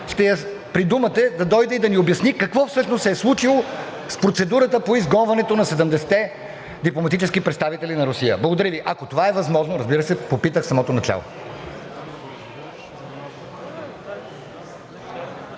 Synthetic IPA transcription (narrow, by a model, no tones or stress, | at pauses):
ʃt̪ɛjɐ | pɾid̪umət̪ɛd̪ɐd̪ɔjd̪ɛid̪ɐniobjɐsnikɐkvɔfsɤʃnosɛɛslˠut͡ʃilˠo | spɾot̪sɛd̪uɾət̪əpoizɡɔnvɐnɛt̪onɐsɛd̪əmd̪ɛsɛ̥t̪ɛ | d̪iplˠomɐt̪it͡ʃɛskipɾɛt̪st̪avit̪ɛlinɐɾʊsijə̰blˠɐɡod̪ɐɾiviʔɐkot̪ovaɛvɐzmɔʒnoɾɐzbiɾəsɛpopit̪əxsɐmɔt̪onɐt͡ʃa̰lˠo̰